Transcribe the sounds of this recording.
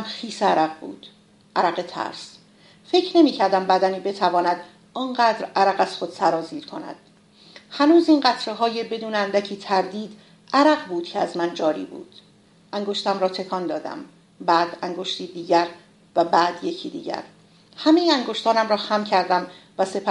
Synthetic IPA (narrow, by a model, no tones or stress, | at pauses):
mxiːseæɾæɡbṵːd̪̥ | ʔæɾæɢet̪ʰæ̰ɾs | fe̞cʰɾne̞miːcʰæɾd̪æmbæd̪æniːbe̞t̪ʰævɒːnæd̪ | ɒːnɢæːd̪ɾæɾæɣæz̥xo̞d̪̥sæɾɒːziːɾkʰo̞̰næ̰d̪̥ | hænuːziːnɢæt̪ʰɾeɦɒːje̞be̞d̪uːneænd̪æcʰiːt̪ʰæɾd̪iːd̪ | ʔæɾæɢbuːd̪̥̚cʰeæzmænd͡ʒɒːɾḭːbṵːd̪̥ | ʔæŋɡo̞ʃt̪æmɾɒːt̪ʰe̞kʰɒnd̪ɒːd̪æ̰m | bæːd̪æŋɡoʃt̪ʰiːd̪iːɟæɾ | væbæːd̪je̞cʰiːd̪ḭːɟæ̰ɾ | hæme̞jeæŋɡoʃt̪ʰɒːnæmɾɒːxæmcʰæɾd̪æmvæse̞pʰæ